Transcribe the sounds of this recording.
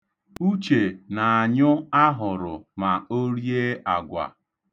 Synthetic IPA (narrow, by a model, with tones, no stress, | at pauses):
u˦t͡ʃe˨na˨a˨ɲʊ˦a˦ɦʊ˨ɾʊ˨ma˨o˦ɾi˦e˦a˨ɡʷa̰˨